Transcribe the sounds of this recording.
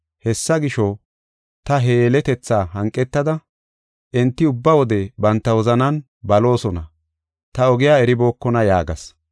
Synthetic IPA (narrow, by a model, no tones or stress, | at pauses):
hɛsːɐɡɪʃɔ | t̪ɐɦeːlɛt̪ɛt͡sːaːɦɐŋkʼːɛt̪ːɐd̪ɐ | ʔɪnt̪ːɪʊbːɐwɔd̪ɛbɐnt̪ːɐwɔzɐnɐn | bɐlo̞ːsɔnɐ | t̪ɐɔɡɪjaːɛɾɪbo̞ːkːɔnɐjaːɡɐ̰s